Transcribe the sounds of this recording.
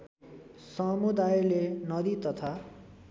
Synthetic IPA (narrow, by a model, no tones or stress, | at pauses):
sʌmud̪ajlenʌd̪it̪ʌt̪ʰa